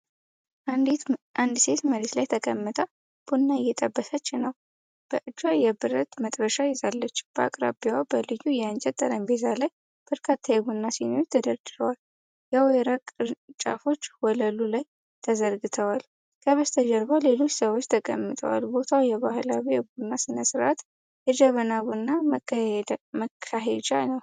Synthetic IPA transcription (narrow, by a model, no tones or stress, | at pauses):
ʔad̪ʔand̪se̞t̪məɾeslajt̪ʰəkʼəmːət̪ʼə | b̥unːaɨjːɛt̪ʼəbːəsət͡ʃːɪnːəw | b̥əʔɨd͡ʒwajɛbɨɾət̪mət̪ʼbəʃajɪzalːət͡ʃːb̥əa̰kʼɾa̰biwabəlɨjːujɛant͡ʃʼɛt̪ʼːəɾəmbezalaj | b̥əɾkʰat̪ʰːajɛɡunːasinot̪ʰəd̪əɾd̪ɨɾəwal | jɛwɔjɾakʼɨɾt͡ʃʼa̰fo̞t͡ʃːwɔləlulaj | t̪ʰəzəɾɡɨt̪ʰəwal | kʰəβəst̪ʰəd͡ʒɛɾbale̞lo̞t͡ʃːsəwot͡ʃːt̪ʰəkʼə̰mːɨt̪ʼə̰wa̰lbo̞t̪ʰawjɛβahɨlawijɛɡunːasɨnəsɨɾʔat̪ | ʔɛd͡ʒəβənaβunːa | məkʰːaɦed͡ʒanəw